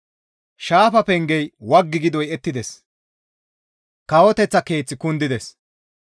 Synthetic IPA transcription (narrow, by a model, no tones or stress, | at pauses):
ʃaːfɐpɛŋɡɛjwɐɡːɪɡɪd̪ɔjɛt̪ːɪd̪ɛs | kɐwɔt̪ɛt͡sːɐke̞ːt͡sːɪkʊnd̪ɪd̪ɛs